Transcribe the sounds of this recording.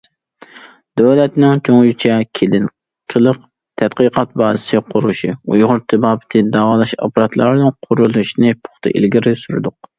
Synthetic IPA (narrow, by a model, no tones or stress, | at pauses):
d̪̥øwlɛt̪nɪŋt͡ʃʰoŋjyt͡ʃʰɛkʲʰelɪn | kʲʰəlˠəq | t̪ʰɛd̪qəqʰɑt̪̚bɑːzɨsɨqʰʊɾuʃiujʁʊɾt̪ʰɨbɑːbɪ̥t̪ʰɪd̪ɑːwɑːlˠɑʃɑ̰pɑɾɑt̪ʰlˠɑ̰ɾnɨnqʰʊɾulˠuʃnɨpʰʊ̥χt̪ʰɨ̰ʔḭlɡʲiɾɪsyɾɨ̰d̪ʊq̚